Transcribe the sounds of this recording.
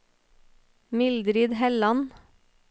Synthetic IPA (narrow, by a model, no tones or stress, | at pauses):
mɪld̪ɾiːd̪hɛlɑn